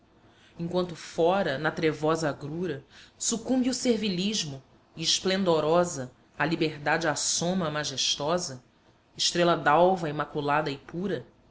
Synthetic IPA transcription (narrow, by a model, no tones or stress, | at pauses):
ẽŋkwɐ̃nt̪ʊfɔɾɐnɐt̪ɾevɔzɐaɡɾuɾɐsukũmbiuseɾviliʒmʊ | iɪʃplẽnd̪oɾɔzɐ | alibeɦd̪ad͡ʒɪasõmɐmaʒeʃt̪ɔzɐ | ɪʃt̪ɾelɐd̪awvɐimakulad̪ɐɪpuɾɐ